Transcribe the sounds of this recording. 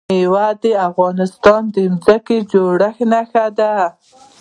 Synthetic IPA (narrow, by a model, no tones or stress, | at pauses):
ewad̪əafɣɑnɪst̪ɑnd̪əmzəked͡ʒoɽəxnaxad̪a